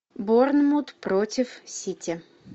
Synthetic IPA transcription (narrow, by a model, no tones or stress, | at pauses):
bornmut̪pɾotʲɪfsʲitʲɪ